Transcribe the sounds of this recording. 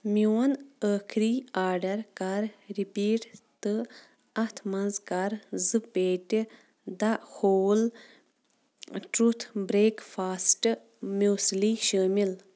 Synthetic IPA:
muːɐnəːkʰɾiːaːɾɖɐɾkaɾɾipiːʈt̪ɨ | ɐt̪ʰmɐnzkaɾzɨpeːʈʲ | d̪axol | ʈɾut̪ʰbɾeːkfaːsʈ | moːsliʃəːmil

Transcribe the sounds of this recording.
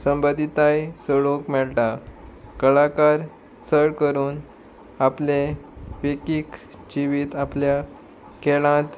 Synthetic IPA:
səmbəd̪ʱit̪ajsəɭokmɛɭʈakəɭakaɾ | səɭkəɾuːn | apleʋekik | d͡ʑiʋiːt̪aplja | keɭãt̪

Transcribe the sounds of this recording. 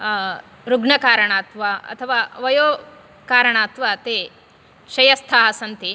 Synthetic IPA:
ɾuɡɳɐkaːɾɐɳaːt̪ʋaːɐ̰t̪ʰɐʋaːʋɐjoː | kaːɾɐɳaːt̪ʋaːt̪eː | ʃɐjɐst̪ʰaːɦɐsɐnt̪i

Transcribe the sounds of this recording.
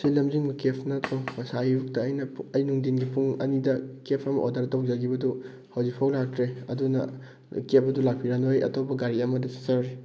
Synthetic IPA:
silɐmziŋbɐkepʰnɐtʰɾopɐsajjuk̚tɐːjnɐɐjnuŋdinɡipuŋɐ̰nidɐkepʰɐmɐ̰ʔodɐɾdowzɐɡibɐdu | hɐwzik̚pʰawlak̚tɾeɐdunɐ̰ | kep̚ʰɐdulak̚pʰiɾanojɐ̰topɐɡaɾiɐmɐdɐse̥sɐɾɾi

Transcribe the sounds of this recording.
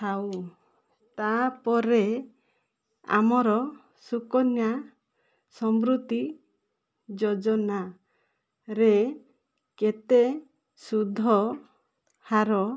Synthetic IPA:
aw | t̪apɔɾe | a̰mɔɾɔ | sukɔnja | sɔmɾut̪i | d͡ʒɔd͡ʒɔna | ɾe | ket̪e | sud̪ʱːɔ | haɾɔ

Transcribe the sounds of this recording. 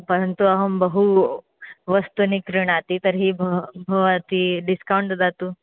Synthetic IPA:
pəɾənt̪uaɦəmbəɦu | ʋəst̪unikɾiɳ̃at̪iːt̪əɾɦiːbʱbʱəʋat̪iːɖiskawuɳʈd͡zat̪u

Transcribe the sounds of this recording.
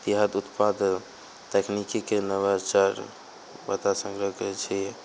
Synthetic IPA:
t̪iɦəd̪ut̪pad̪ʱ | t̪eknikikenəβat͡ʃaɾ | ba̰t̪asə̃ŋɡɾəket͡ʃʰi

